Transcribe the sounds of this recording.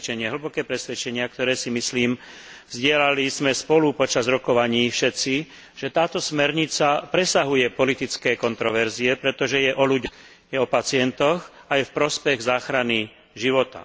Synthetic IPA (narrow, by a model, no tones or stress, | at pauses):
t͡ʃɛɲɪɛɦl̩bɔkɛːpɾɛsʋɛt͡ʃɛɲɪak̚t̪ɔɾɛːsimisliːm | vzɟɪɛlalizmɛspɔlupɔt͡ʃazɾɔkɔʋaɲiːfʃɛt̪t͡si | ʒ̥ɛt̪aːt̪ɔsmɛɾɲit͡sapɾɛsaɦujɛpɔlit̪it͡skɛːkɔnt̪ɾɔʋɛɾziɛpɾɛt̪ɔʒɛjɛʔɔluɟ | jɛɔpat͡sɪɛnt̪ɔxajfpɾɔspɛɣzaːxɾani | ʒiʋɔt̪a̰